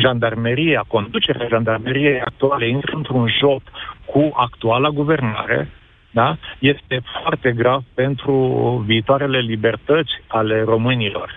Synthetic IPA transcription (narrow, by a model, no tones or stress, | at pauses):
ʒand̪armeɾijeako̞nd̪ut͡ʃe̞ɾḛaʒand̪armeɾijejak̚t̪ualeint̪ɾəɨnt̪ɾunʒo̞pkuʔakt̪ualaɡuve̞rna̰ɾe̞̰ | d̪aje̞st̪e̞foart̪e̞ɡɾavpe̞nt̪ɾuviːt̪oaɾe̞le̞libe̞rt̪ət̪sʲale̞ro̞mɨnilo̞̰r